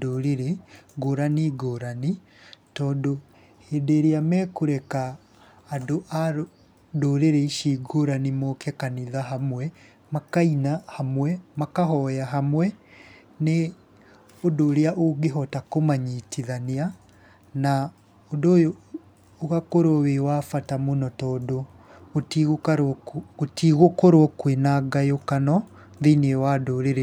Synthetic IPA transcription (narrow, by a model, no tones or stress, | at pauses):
doɾeɾeɡoɾaniɡoɾani | tɔːndo | heːdeɾeamɛːkoɾɛkaː | doʔa | doɾeɾɛiʃiɡoɾanimokɛkaniðaɦamwɛ | makainahamwɛmakaɦɔjaɦamwɛ | ne | odoːɾeaʔoɡeɦɔtakomaɲitiðanea | na | odojoː | ɣakoɾwɔwewafatamonɔtɔdo | ɣotiɣokaɾotiɣokoɾwɔkwenaɡajokanɔ | ðeneewadoɾeɾɛ